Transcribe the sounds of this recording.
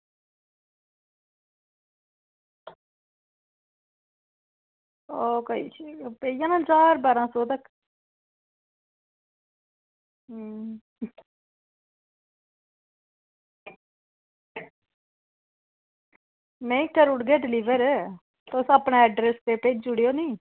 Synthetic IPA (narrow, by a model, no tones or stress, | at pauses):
oːkəḭːt͡ʃpeːijãːnãːd͡ʒaːɾbaːɾãːsoːd̪ək | nəĩːkəɾʊɽɡeːɖɪliːʋəɾ | t̪osaːpɳaːɛːɖɾeːst̪eːpeːd͡ʒd͡ʒʊɽjoːnĩː